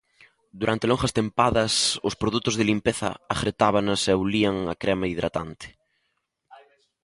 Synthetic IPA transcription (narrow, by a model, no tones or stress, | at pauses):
d̪uɾʔant̪elõŋʝɐst̪empaðɐsʊspɾoðut̪ʊzðelimpeθɐ̰axɾet̪aβ̞anaseawliaŋakɾɛmaiðɾa̰t̪ant̪ɪ̥